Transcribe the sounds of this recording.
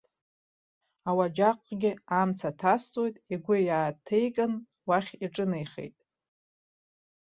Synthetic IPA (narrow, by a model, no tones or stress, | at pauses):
awad͡ʒaqʼɡʲɪamt͡sʰatʰast͡sʼojtʼiɡʷʊjaːtʰejkʼɨn | waχʲiʈ͡ʂʼɨnejχḛjtʼ